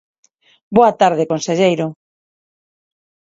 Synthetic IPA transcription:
boat̪aɾð̞ekonseʎejɾʊ

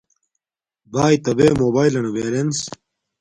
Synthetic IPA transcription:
baːjt̪ɐbeːmoːbaːilɐnuʋeːɾens

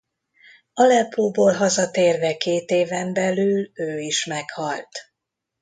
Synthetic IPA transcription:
ɒlɛpʰoːboːlɦɒzɒt̪eːrvɛkeːt̪eːvɛmbɛlyløːiʃmɛkhɒlt̪

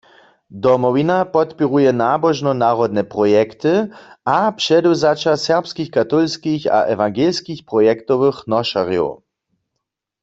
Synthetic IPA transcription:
d̪ɔmɔvinapɔt̪piʁujɛnaːbɔʒnɔnaːʁɔd̪nɛpʁɔjɛkt̪ɨapʃɛduzat͡ʃasɛʁpskixkat̪ɔlskixa̰ʔɛvaŋɡelskixpʁɔjɛkt̪ɔʋɨxnɔʃa̰ʁjɔ̰w

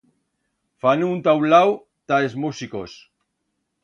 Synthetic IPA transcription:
fanunt̪awlaw | t̪aezmusikos

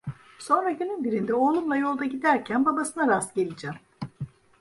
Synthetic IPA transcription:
so̞nɾaɟønynbiɾind̪ɛo̞ːlˠumlˠajo̞lˠd̪aɟid̪æɾcʰænbabasɯnaɾast̪ɟe̞lʲid͡ʒɛm

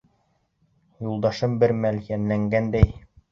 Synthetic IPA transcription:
julˠd̪ɑʃɤmbɘɾmæljænlæŋɡænd̪æj

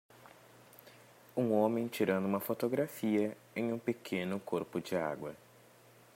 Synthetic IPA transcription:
ũŋõmẽj̃t͡ʃiɾɐ̃nd̪ʊũmɐfot̪oɡɾafiɐ | ẽj̃ũpekʰẽnʊkoɾpʊd͡ʒɪa̰ɡwɐ

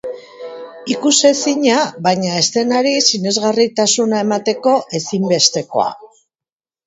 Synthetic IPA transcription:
ikuse̞siɲaβajɲae̞st̪e̞naɾisine̞zɣarit̪asunae̞mat̪e̞ko̞ʔe̞simbe̞st̪e̞ko̞̰a̰

